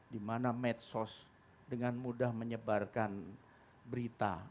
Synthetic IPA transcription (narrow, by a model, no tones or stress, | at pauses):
dimanamɛt̪̚sɔs | dəŋanmudahməɲəbarkan | bəɾit̪a̰